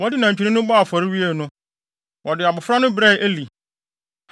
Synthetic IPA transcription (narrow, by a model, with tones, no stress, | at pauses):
wɔ˦dɪ˦nã˨ɲ̩˨t͡ɕᶣi˨ɾĩ˦nʊ̃˦ba˦˨fɔ˨ɾɪ˦wi˦e˦˨nʊ̃˦ | wɔ˨dɪ˨a˨bʊ˨fɾa˦nʊ̃˦bɾɛ˦ʔe˦li˨